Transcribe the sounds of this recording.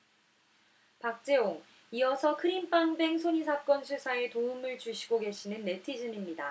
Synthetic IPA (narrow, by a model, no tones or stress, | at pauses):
pak̚t͡ɕ͈e̞oŋ | iʌsʰʌkʰɯɾimp͈aŋbe̞ŋsʰoɲis̬ʰak͈ʌnsʰusʰaetoɯmɯɭt͡ɕuɕʰiɡoɡe̞ɕʰinɯnːe̞tʰid͡ʑʌnimɲida